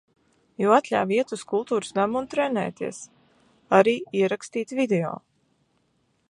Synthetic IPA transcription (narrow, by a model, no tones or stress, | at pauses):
juːat̪lʲa̰viɛt̪uskulˠt̪uːɾu̥sd̪amunt̪ɾɛnɛ̰ːt̪ḭɛs | aɾiːiɛɾakst̪iːt̪vid̪eo̰ː